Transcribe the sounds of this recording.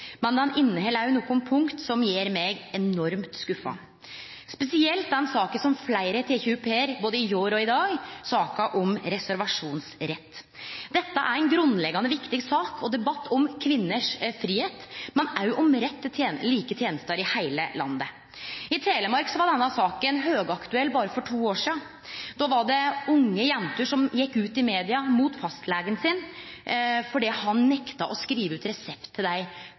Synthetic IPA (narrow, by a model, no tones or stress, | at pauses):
mɛnd̪ɛnɪnːəhɛːlæjʊnuːkʊnpʰʊŋkt̪sɔmjeːɾmɛɡɛnɔɾmt̪skʉfɑ̰ | spɛsɪɛlt̪̚d̪ɛnsɑːkəsɔmflæɪɾət̪ʰeːçʉpʰeːəɾboːd̪əɪjoːɾɔɪd̪ɑːɡsɑːkɑʔɔmɾɛsæɾʋɑʂuːnsɾɛt̪ː | d̪ɛt̪ːəʔæ̰ɾɛɪnɡɾʉnlɛɡɑnəʋɪkt̪ɪɡsɑːkʰɔd̪ɛbɑt̪ːɔmkʰʋɪnːəʂfɾiːheːt̪mɛnæʊʔɔmɾɛt̪ːət̪ʰjeːnliːkət̪ʰjeːnəst̪əɾɪhæɪləlɑ̰nːə | ɪt̪ʰɾeːləmɑɾksɔʋɑɖɛnːɑsɑːkənɦøːɡɑkt̪ʉɛlːbɑːɾəfɔʈʰuːoːʂiːɑ | d̪ɔʋɑɖɛʊŋːəjɛnt̪əʂɔmjɛkːʉːt̪ɪmeːd̪ɪɑmuːt̪fɑst̪lɛːɡənsɪn | fɔɖɛhɑnːɛkt̪ɑʔɔskɾiːʋəʉːt̪ɾɛsɛpt̪ʰːɪld̪æɪ